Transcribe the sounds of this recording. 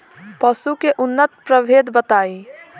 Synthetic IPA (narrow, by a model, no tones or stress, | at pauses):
pɐsukeʔʊnːət̪̚pɾəbʱeːd̪bət̪aːi